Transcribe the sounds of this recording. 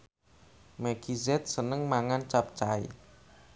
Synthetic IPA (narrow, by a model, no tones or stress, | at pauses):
mɛɡ̥izɛt̪̚sənəŋmaŋant͡ʃap̚t͡ʃaḭ